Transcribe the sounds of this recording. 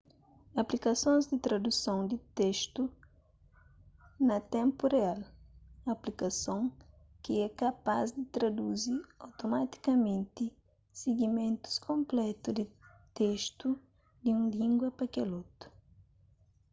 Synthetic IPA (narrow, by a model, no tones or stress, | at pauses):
ɐplikɐsõnzd̪ɪt̪ɾɐd̪usõñd̪ɪt̪eʃt̪u | nɐt̪ɛ̃mpurealɐplikɐsõŋ | kɪɛkapa̰zd̪ɪt̪ɾad̪uziawt̪omat̪i̥kɐmẽnt̪i | seɡimẽnt̪u̥skõmplɛt̪ud̪i | t̪eʃt̪u | d̪iũlĩŋɡwɐpɐkɛlot̪u̥